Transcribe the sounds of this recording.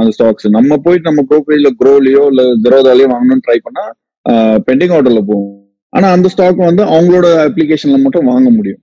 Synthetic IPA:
ɐnd̪ɐsʈaːksɯnɐmːɐpoːjɪʈnɐmːɐɡɾoːpeɪlɐɡɾoːlɪjoːɪlːɐd̪ɪɾoːðaːlɐjɐ̃ʋaːŋɡɐnʊ̃nʈɾɐɪpɐɳːaː | pɛɳɖɪŋɡaːʈ̬ːɐɾlɐp̬oːʊ̃ | ʔa̰ːnaːɐnd̪ɐsʈaːkːɐ̃ʋɐnd̪ɯɐʋɐŋɡɐɭoːɽɐɐpːlɪkeːʂɐnɪlɐmaːʈːʊ̃ʋaːŋɡɐmʊɽɪjʊ̰̃

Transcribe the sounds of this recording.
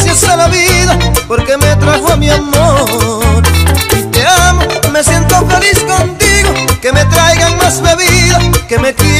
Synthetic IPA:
sjasalaβiðapo̞ɾke̞met̪ɾahoamiamoɾt̪eamo̞me̞sjent̪ofe̞lisko̞nt̪iɣo̞ke̞me̞t̪ɾajɣaŋmazbeβiðake̞me̞ki

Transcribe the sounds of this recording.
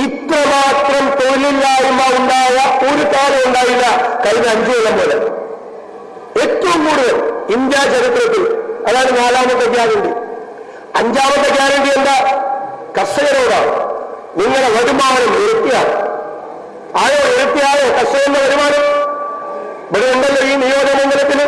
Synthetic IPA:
it̪rɐmaːt̪rɐmt̪oːlːilːaːjumːauɳɖaːjɐpuːɾut̪ːaːlɐmuɳɖaːʋilːɐkɐjnɐɐɲd͡ʑujɐlɐmboːlɐ̰ | e̞t̪ːɐʋumkuːɽuðɐmiɲd̪jaːt͡ɕɐɾit̪rɐt̪ːilɐðaːɳɨnaːlaːmɐnd̪ɐd͡ʑaːɾeɳɖi | ɐɲd͡ʑaːʋɐnd̪ɐkːaːɾɐɳɖijend̪ɐ | kɐʂɐɣɐɾoːɽa̰ːṵ | niŋːɐɽeʋɐɽumaːɐnɐmeɾut̪ːijaːlɐ | aːɻoeɽut̪ːijaːlekɐʂɐɣend̪ɐʋɐɾubaːɽu | ʋɐɾumɐnd̪ɐlːɐinijoːd͡ʑɐɐnɐnd̪ɐnɐt̪ːil

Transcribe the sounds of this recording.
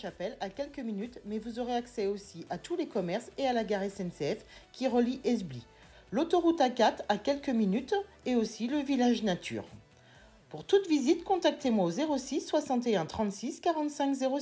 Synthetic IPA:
ʃapɛlakʲɛlkəminyt̪mɛvuzoʁeaksɛosiʔat̪ʰulekɔmɛʁsealaɡaʁɛsɛnseɛfkʲiʁəliʔɛzbli | lot̪ɔʁut̪akat̪χakʲɛlkəminyt̪ | eosiləvilaʒnat̪ʰy̰ːʁ | puʁt̪ut̪vizit̪kɔ̃t̪ak̚t̪emwaozeʁosisːwasɑ̃t̪eɛ̃t̪χɑ̃t̪siskaʁɑ̃t̪sɛ̃kzeʁo

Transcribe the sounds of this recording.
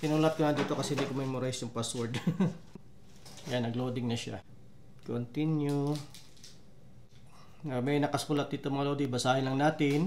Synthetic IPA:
t̪ɪnuːlɐt̪̚koŋɐd̪iːt̪o̞kɐsɛhɪnd̪ikomɛjmoɾajʃonpaswɔɹd̪ | ɐjanːɐɡloːd̪ɪŋnɐʃa̰ | kont̪inju | ŋɐmɐjnɐkɐskulɐt̪̚d̪iːt̪omɐŋɐlod̪ɪbɐsaːhɪnlɐŋnaːt̪ɪn

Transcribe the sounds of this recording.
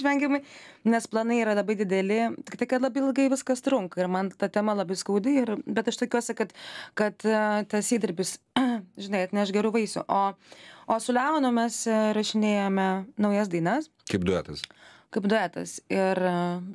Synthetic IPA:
ʃʲʋʲɛŋʲɡʲɪmɐɪnʲɛsplˠɐnɐɪiːɾɐlˠɐbɐɪd̪ʲɪd̪ʲɛlʲɪt̪ʲɪkt̪ɐɪkɐt̪lˠɐbɐɪɪlˠɡɐɪʋʲɪskɐst̪ɾʊŋkɐɪrmɐnt̪ɐt̪ʲɛmɐlˠɐbɐɪskɐːd̪ʲɪɪrbʲɛt̪ɐʃt̪okʲuɔsʲɪkɐt̪kɐt̪t̪ʲɐsʲiːd̪ʲɪɾʲbʲɪs | ʒʲɪnɐɪɐt̪nʲɛɐʃɡʲɛɾuːʋɐɪsʲʊ̰ʔoːoːsʊlʲɛʊnʊmʲɛsɾɐʃʲɪnʲeːjɛmʲɛnɐʊjɛs̬d̪ɐɪnɐs | kɐɪpd̪ʊæ̰ːt̪ɐskɐɪpd̪ʊæːt̪ɐ̰sɪr

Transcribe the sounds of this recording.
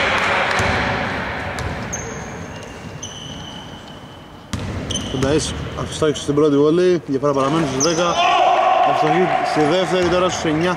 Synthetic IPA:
fod̪ɐisɐfi̥st̪ɐkisu̥st̪ibɾot̪ivoliʝɐpeɾɐpɐɾɐme̞nusiðekɐ | ɐist̪ɐçisiðeft̪e̞ɾit̪oɾɐsu̥seɲɐ

